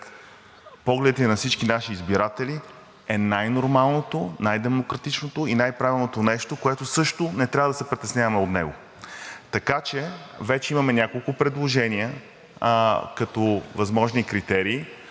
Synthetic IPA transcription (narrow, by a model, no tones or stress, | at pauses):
pɔɡlɛd̪t̪nɐfsit͡ʃkinaʃiːzbiɾat̪ɛli | ɛnajnoɾmalˠnot̪onajd̪ɛmokɾɐt̪it͡ʃnot̪oinajpɾavʲilˠnot̪onɛʃt̪okoɛt̪ʊsɤʃt̪onɛt̪ɾʲavəd̪ɐsɛpɾit̪ɛsnʲavɐmɛot̪nɛ̰ɡo | t̪ɐkat͡ʃɛvɛt͡ʃɛimɐmɛnʲakolˠkʊpɾɛd̪lˠoʒɛnijə | kɐt̪ɔvɐzmɔʒnikɾit̪ɛɾiː